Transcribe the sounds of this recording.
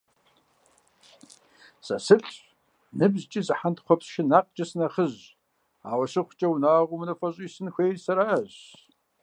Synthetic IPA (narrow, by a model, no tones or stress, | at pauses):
sʼɐ̰sɨɬʼ | nɨbzt͡ʃʼizɨħantχʷɔpsʃɪnaːq̚t͡ʃʼɐsɨnɐχəʑ | a̰ːwɐɕɪχʷt͡ʃʼɐwnaːʁʷʊmnɐfɐɕʼiːsɨnxʷeːjrsɐɾaːʑ